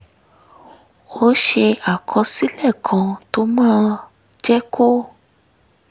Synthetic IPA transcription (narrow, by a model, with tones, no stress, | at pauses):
o˦ʃe˧a˨kʰɔ̃˧si˦lɛ˦˨kʰã˨to˧˦mãː˦ | d͡ʒɛ˦ko˦